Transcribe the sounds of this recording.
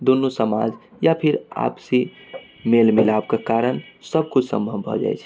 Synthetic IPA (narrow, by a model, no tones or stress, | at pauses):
d̪unːusəma̰d͡ʒ | japʰiɾa̰psi | melmilabkekaɾənsəb̚kut͡ʃʰsə̰̃mbʱəbbʱɔ̰d͡ʒa̰jt͡ʃʰ